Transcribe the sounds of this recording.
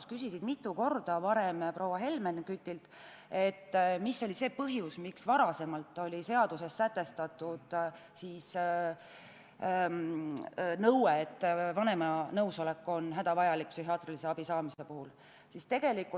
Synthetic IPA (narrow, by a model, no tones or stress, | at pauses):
skysisid̪̥mit̪ːˑuko̞rd̪̥ɑvɑɾe̞mpro̞wɑɦe̞lmenkyt̪ʲːˑilt̪ | e̞t̪ːmisːo̞lʲise̞ːpɤɦjusmiksvɑɾɑse̞mɑlt̪ːˑo̞lʲise̞ɑd̪̥use̞sːæt̪ːˑe̞st̪ɑt̪ːˑud̪̥siːs | nɤweet̪ːvɑne̞mɑnɤwso̞le̞kːo̞nɦæd̪̥ɑvɑjɑlik̚psyhiɑːt̪rilise̞ɑb̥isɑːmise̞puhul | sist̪e̞ɡ̥e̞likːu